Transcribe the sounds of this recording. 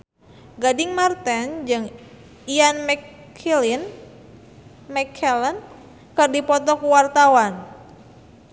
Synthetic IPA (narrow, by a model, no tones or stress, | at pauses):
ɡadiŋmart̪ɛnd͡ʒɨŋ | ianmɛ | ilin | mɛkʰɛlən | kɨrdipɔt̪ɔkuwart̪awan